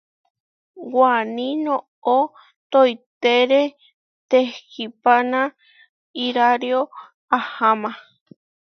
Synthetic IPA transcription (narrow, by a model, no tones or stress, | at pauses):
wanĩnõ | o | t̪ojt̪eɾe | t̪ekipanã | iɾaɾjo | ahamã